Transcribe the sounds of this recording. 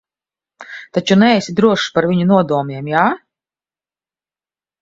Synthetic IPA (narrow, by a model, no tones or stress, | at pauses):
t̪at͡ʃunɛɛsʲid̪ɾuɔʃpaɾvʲiɲunuɔd̪uɔmiɛmjaː